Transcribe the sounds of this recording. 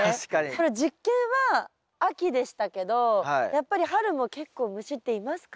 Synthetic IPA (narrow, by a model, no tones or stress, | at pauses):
aɕkako̞ɾed͡ʑikːẽɰ̃βaː | kʲid̪e̞ɕi̥t̪ake̞d̪o̞aijapːaɾʲihaɾɯ̟mo̞ke̞kːo̞ːmɯ̟ɕit̪ːe̞imasɨ̥ka